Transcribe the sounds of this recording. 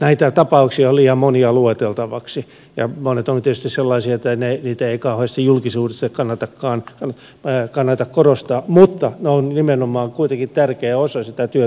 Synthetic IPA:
næit̪æt̪ɑpɑuksiɑolliːɑmmoniɑluet̪elt̪ɑʋɑksi | jɑ̰monet̪ont̪iet̪yst̪isselːɑisiɑet̪ːæneniːt̪æeikɑuheːst̪ɑjulkisuːdest̪ɑkɑnːɑt̪ɑkːɑːnɑn | kɑnːɑt̪ɑkkorost̪ɑːmut̪ːɑneonnimenomɑːŋkuit̪eŋkitt̪ærkeæosɑsit̪æt̪yø

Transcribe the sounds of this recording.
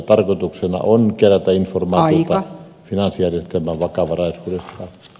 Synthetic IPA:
t̪ɑrkoˑt̪uksenɑ̰onkeræt̪æinformɑːtiot̪ɑ | finɑnsijærjest̪emːˑæːʋʋɑkɑʋɑrɑˑesuːdesːɑˑ

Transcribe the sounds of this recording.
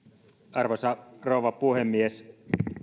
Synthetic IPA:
ʔɑrʋosɑroˑuʋɑpuhemːies

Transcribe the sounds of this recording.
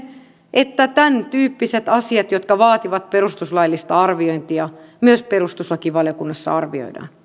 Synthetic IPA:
ʔet̪ːæt̪ænt̪yːpːiset̪ɑsiɑt̪jot̪kɑʋɑːt̪iʋɑt̪̚perust̪uslɑilːist̪ɑɑrʋioint̪iɑmyøsperust̪uslɑkiʋɑlijokunːɑsːɑ̰ɑrʋio̰idɑ̰ːn

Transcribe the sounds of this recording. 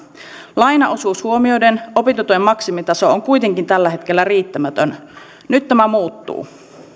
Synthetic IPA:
lɑjnɑʔosuːshuomio̞jde̞no̞pit̪ut̪uemmɑksimit̪ɑso̞oŋkujt̪e̞ŋkint̪ælːæɦe̞t̪k̟elːæriːt̪ːæmæt̪øn | nyt̪ːæmæmuːt̪ːṵː

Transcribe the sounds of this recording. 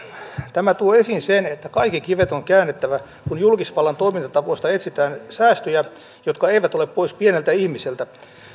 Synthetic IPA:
t̪æmæt̪uoesinsenet̪ːækɑikːikiʋet̪oŋkæːnːet̪ːæʋæ | kunjulkisʋɑlːɑnt̪oimint̪ɑt̪ɑpoist̪ɑet̪sit̪æːnsæːst̪øjæ | jot̪kɑeiʋæt̪oleppoispienelt̪æihmiselt̪æ

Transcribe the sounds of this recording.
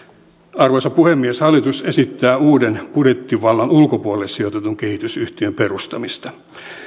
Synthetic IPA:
ɑrʋojsɑpuhemːieshɑlːit̪usesit̪ːæːuːdenpudet̪ːiʋɑlːɑnulkopuolelsiot̪et̪uŋkehit̪ysyht̪iømperust̪ɑmist̪ɑ

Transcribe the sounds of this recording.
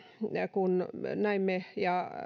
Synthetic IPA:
kunnæimmejɑ

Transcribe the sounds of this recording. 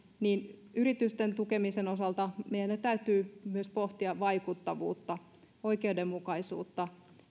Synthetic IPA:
niːnyɾit̪yst̪ent̪ukemisenosɑlt̪ɑmeijænet̪æyt̪yːmyøspoht̪iɑʋʋɑikut̪ːɑʋṵːt̪ːɑ | oikeudemmukɑisṵːt̪ːɑ

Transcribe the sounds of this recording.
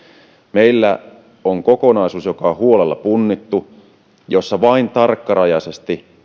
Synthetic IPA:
meilːæ̰ | oŋko̞ko̞nɑisuːsjo̞kɑhuolelːɑ̰punːit̪ːu | jo̞sːɑʋɑint̪ɑrkːɑɾɑjɑsest̪i

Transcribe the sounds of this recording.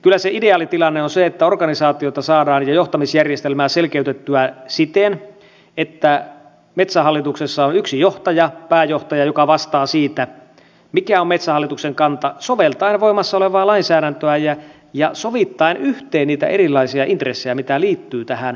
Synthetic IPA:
kylːˑæseideɑːlit̪ilɑnːeonseet̪ːæorɡɑnisɑːt̪iot̪ɑsɑːdɑːnjɑjoht̪ɑmisjærjest̪elmæːselkeyt̪et̪ːyæsit̪en | et̪ːæ | met̪sæɦɑlːit̪uksesːɑonyksijoht̪ɑjɑpæːjoht̪ɑjɑjokɑʋɑst̪ɑːsiːt̪æ | mikæomet̪sæhɑlːit̪ukseŋkɑnt̪ɑsoʋelt̪ɑinʋoimːɑsːɑoleʋɑːlɑinsæːɾænt̪øæjɑ | jɑsoʋit̪ːɑinyht̪eːnniːt̪æ̰ʔeɾilːˑɑisiɑʔint̪resːejɑmit̪æliːt̪ːyːt̪æhæn

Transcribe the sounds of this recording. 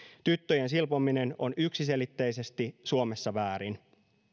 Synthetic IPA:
t̪yt̪ːøjensilpomine̞no̞̰nyksise̞lit̪ːe̞jse̞st̪isuo̞me̞sːɑʋæːɾin

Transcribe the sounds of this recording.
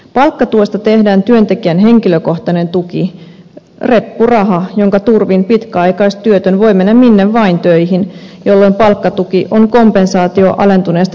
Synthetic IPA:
pɑlkːɑt̪uost̪ɑt̪e̞hdæːnt̪yønt̪e̞kiænɦe̞ŋkiløko̞ht̪ɑne̞nt̪uki | re̞pːurɑɦɑjo̞ŋkɑt̪urʋimpit̪kæɑjkɑist̪t̪yøt̪ønʋo̞ime̞nːæmminːeʋʋɑint̪øjɦinjo̞lːo̞jmpɑlkːɑt̪uk̟iʔoŋko̞mpensɑːt̪io̰ʔɑ̰le̞nt̪uneːst̪

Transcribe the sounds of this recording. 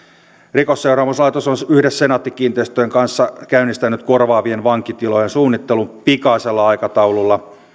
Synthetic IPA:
rikosːeuɾɑːmuslɑjt̪osonyhdesːenɑt̪ːikiːnt̪eist̪øjeŋkɑnsːɑkæynːist̪ænyt̪korʋɑːʋienʋɑŋkit̪ilojensuːnːit̪ːelumpikɑiselːɑɑjkɑt̪ɑwlulːɑ

